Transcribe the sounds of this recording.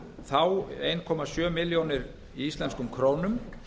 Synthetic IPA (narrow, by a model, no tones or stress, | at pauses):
θawejnkʰɔmasjœːmɪljownɪɾ | iist̪lɛnskʏmkʰɾoːwnʏm